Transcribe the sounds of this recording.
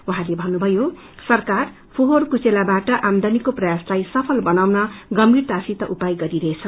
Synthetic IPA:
wuɦãlebʱʌnːubʱʌjo | sʌrkar | pʰoɦorkot͡selabaʈʌʔamd̪anikoprʌjaslajsʌpʰʌlbʌnawnʌɡʌmbirt̪asit̪ʌʔupajɡʌɾiɾʌɦet͡sʰʌ

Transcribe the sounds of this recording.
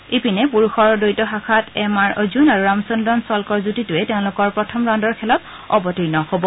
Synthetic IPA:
ipinɛpuɹuxɔɹdojtɔɦakʰatɛmaɹɔzunaɹuɹamsundɔnsɔlkɔɹzutitʊɛtɛʊ̃lʊkɔɹpɹɔtʰɔmɹandɔɹkʰɛlɔt | ɔbɔtinɔhobɔ

